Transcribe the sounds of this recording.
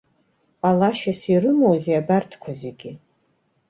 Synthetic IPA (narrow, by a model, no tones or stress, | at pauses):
qʼalaʃasirɨmowzeabartʰkʷʰazeɡʲi